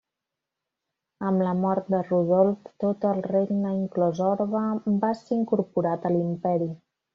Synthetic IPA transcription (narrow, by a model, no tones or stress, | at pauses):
əmləmɔɾt̪̚d̪əruð̞ɔlˠft̪ot̪əlˠreʎnəiŋklɔzɔɾβəbaseiŋkuɾpuɾat̪əlimpɛɾi